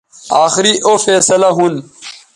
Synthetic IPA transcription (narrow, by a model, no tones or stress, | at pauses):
aːxɪɾiʔofeːsɐlaɦun